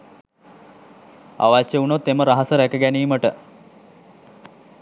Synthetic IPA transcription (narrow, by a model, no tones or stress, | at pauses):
a̰ʋaɕjeunot̪ːeməɾaɦasəɾækəɡæniːməʈə